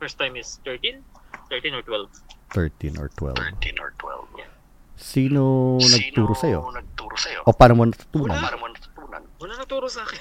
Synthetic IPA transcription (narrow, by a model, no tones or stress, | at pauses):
fɛɹst̪ajmɪst̪ɛɹt̪ĩnt̪ɛɹt̪ĩnɔɹt̪wɛlvt̪ɛɹt̪inʔɔ̰ɹt̪wɛ̰linɔ̰ɹt̪wɛ̰l | siːnonɐɡ̚t̪uːɾosɐjonɐɡ̚t̪uːɾosɐjoʔopaːnomonɐt̪ɐ̥t̪uːnɐnnmonɐt̪ɐ̥t̪uːnɐ̰nmonɐnɐt̪uːɾosɐaːkɪ